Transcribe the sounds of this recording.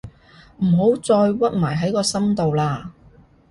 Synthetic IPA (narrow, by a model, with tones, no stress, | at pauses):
m̩ː˨˩ɦo˨˥wt͡sɔː˧jwɐ˥t̚maː˨˩jɦɐ˨˥jkɔː˧sɐ˥mt̪o˨wlaː˧